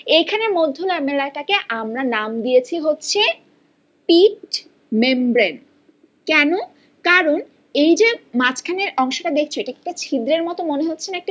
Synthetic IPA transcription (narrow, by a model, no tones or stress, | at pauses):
ekʰanemod̪ʱːolaɾmelaʈakeʔamɾanamd̪ijet͡ɕʰiɦotːɕʰe | pikʈ | membɾen | kɛno | kaɾon | ejd͡ʑemat͡ɕʰkʰaneɾɔŋʃoʈad̪ekʰt͡ɕʰoeʈak̚ʈat͡ɕʰid̪ɾeɾmɔt̪omoneɦotːʰenaekʈi